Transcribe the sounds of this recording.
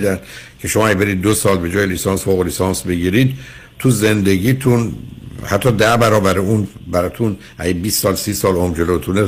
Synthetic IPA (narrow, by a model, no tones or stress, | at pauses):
d̪ænd̪cʰe̞ʃomɒːæɡebe̞ɾiːd̪̚ːosɒːlbe̞d͡ʒɒːjelisɑːnsfoɣolisɒnsbeɟiːɾid̪̚ | t̪ʰuze̞nd̪e̞ɟiːt̪ʰunhæt̪ʰːɒːd̪æbæɾɒːbæɾeunbæɾɒt̪ʰun | ʔæ̰ɡebiːsːɒːlsiːsɒːlomd͡ʒelot̪ʰune